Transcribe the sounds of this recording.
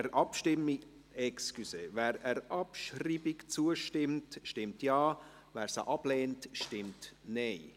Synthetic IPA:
ɛɾʔɑpʃtɪmːi | ɛkskyseːvɛːɾɛɾʔɑpʃriːbikt͡suəʃtɪmtʃtɪmtjɑː | vɛːɾsa̰ʔɑb̥lɛːntʃtɪmtneɪ

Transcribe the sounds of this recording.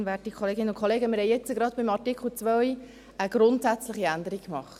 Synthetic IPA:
nvɛtiəkʰχoleːɡɪnːəʊnkχoleːɡəmɪɾhɛɪjɛt͡səɡɾɑd̪̚b̥ɪmɑtɪkχl̩ˠt͡sʋœɥ | əɡ̥ɾʊntsæt͡sləχiænd̪əɾikkmɑχt

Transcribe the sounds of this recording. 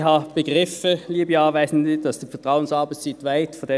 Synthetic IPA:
hɑːb̥əɡʁɪfəliːbəɑːvaɪsn̩ziːd̥ɑsd̥iːfɛɐtʁ̥aʊənsɑɐbɛtsitvaɪtfɔde

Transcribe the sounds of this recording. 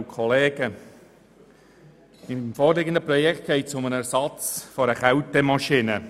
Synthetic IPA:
kʰɔleːɡə | ɪmfoːɾlɪɡənd̪əprɔjɛkχt̪̚ɡ̥ɛɪtsʊmənæɾsɑt͡sfɔɾəχawtəmɑʃinə

